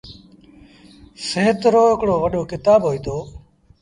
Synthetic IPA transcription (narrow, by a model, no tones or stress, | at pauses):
sẽːt̪ɾoːɦɪkɽoːʋəɗoːkɪt̪aːbɦoːiːt̪ʰoː